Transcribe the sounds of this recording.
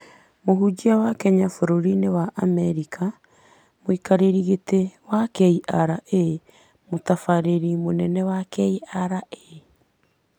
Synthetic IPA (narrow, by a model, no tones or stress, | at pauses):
moɦud͡ʒiawakɛɲafoɾoɾinewaʔamɛɾikʰa | moikaɾeɾiɣetewakɛiʔaɾaʔe | motafaɾeɾimonɛnɛwakɛiaɾae